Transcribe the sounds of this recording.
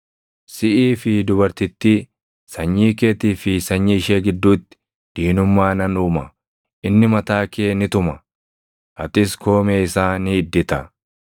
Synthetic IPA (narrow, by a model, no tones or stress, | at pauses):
sɪʔiːfɪd̪ʊbɐɾt̪ɪt̪ːi | sɐɲːiːkeːt̪iːfɪsɐɲːiːʃeːɡɪd̪ːuːt̪ːɪ̥ | d̪̥iːnʊmːaːnɐnuːmɐ | ʔɪnːɪmɐt̪aːkeːnɪt̪ʊmɐ | ʔɐt̪ɪsko̞ːmeːɪsaːniɪd̪ːɪt̪ɐ